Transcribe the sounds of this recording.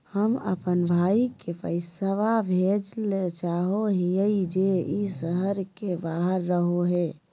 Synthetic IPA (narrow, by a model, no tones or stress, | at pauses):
həmə̰pənbʱaːikepə̰ɪsəʋabʱed͡ʒlet͡ʃaɦoɦijəid͡ʒeisəɦəɾkebaɦəɾːəɦoɦe